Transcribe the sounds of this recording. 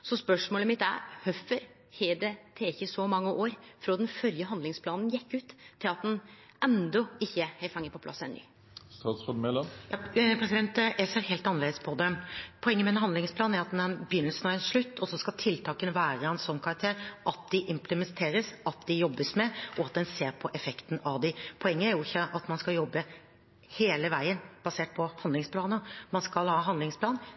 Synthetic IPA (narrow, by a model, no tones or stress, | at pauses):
sɔspœʂmoːləmɪt̪ːæ̰ɾhœfəɾ | heːd̪et̪ʰeːɪçːəsɔmɑŋːəʔoːɾfɾoːd̪ɛnfœɾjəɦɑnd̪lɪŋspʰlɑːnn̩jɛkːʉːt̪ʰːɪlɑt̪̚d̪ɛn | ɛnd̪ɔɪçːəhɛɪfɑŋːəpʰɔpʰlɑ̰sːɛnːy̰ː | st̪ɑːsɑd̪mɛlɑjɑpʰɾɛsɪd̪ɛnt̪jæɪseːɾheːlt̪ɑnəɾeːd̪əspʰɔd̪ɛpʰɔɛŋːəmɛnɦɑnd̪lɪŋspʰlɑːnæɾɑt̪ɛnbjʏnəlsənɑɛnʂɭʉt̪ːʰɔsɔskɑlt̪ʰɪlt̪ʰɑːkənʋæːɾəɛnsɔnːkʰɑɾɑk̚t̪ʰeːɾʔɑt̪̚d̪ɪʔɪmpləmɛnt̪ʰeːɾəsʔɑt̪̚d̪ɪjɔbːəsmɛʔɔɑt̪̚d̪ɛnseːɾpʰɔʔɛfɛkt̪n̩ɑʋd̪ɪpʰɔɛŋːəæɾjʊɪçːəʔɑt̪mɑnskɑljɔbːə | heːləʋæɪənb̥ɑseːʈ̚pʰɔhɑnd̪lɪŋspʰlɑːnəmɑnskɑlhɑːɦɑnd̪lɪŋspʰlɑːn